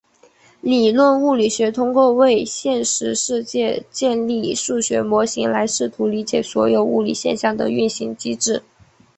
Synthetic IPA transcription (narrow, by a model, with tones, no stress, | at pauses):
li˨˩lwə˥˧nu˥˩li˨˩ɕɥɛ˧˥t̪ʰʊ˥ŋkwɔ˥˧we˥˧ɪɕjɛ˥˧nʂɻ̩˧˥ʂɻ̩˥˧t͡ɕjɛ˥˧t͡ɕjɛ˥˧nli˥˧ʂu˥˩ɕɥɛ̰˧˥mwɔ˧˥ɕi˧˥ŋla˧˥ɪʂɻ̩˥˩t̪ʰu˧˥li˧˥t͡ɕjɛ˨˩swɔ̰˧˥jo˨˩ʊu˥˩lḭ˨˩ɕjɛ̰˥˧nɕjɑ˥˩ŋd̪ə̰˩y̰˥˩nɕi˧˥ŋt͡ɕi˥ʈ͡ʂɻ̩˥˩